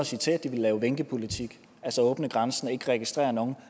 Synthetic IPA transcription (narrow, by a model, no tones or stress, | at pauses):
ɒsit͡sʰe̝̰̥ːd̥iʋe̝lːɛːʊʋeŋɡ̥əpʰo̝lit͡sʰiɡ̥ | ælsɒɔ̽ːb̥nəɡ̥ʁansn̩e̝ɡ̥əʁɛɡ̥isd̥ʁḛːɐnɔːn̩